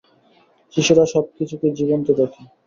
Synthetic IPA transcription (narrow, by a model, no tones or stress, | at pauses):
ʃiʃoɾaʃɔb̚kit͡ɕʰuked͡ʑibont̪oɾakʰi